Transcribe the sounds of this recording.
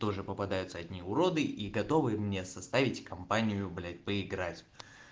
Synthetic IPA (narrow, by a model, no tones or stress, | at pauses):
t̪o̞ʐɨpəpɐd̪ajʊt̪səɐdʲnʲiʊɾo̞d̪ɨʔiɡɐt̪o̞vɨmnʲesɐst̪avʲɪtʲkɐmpanʲɪjʊblʲapəɪɡɾatʲ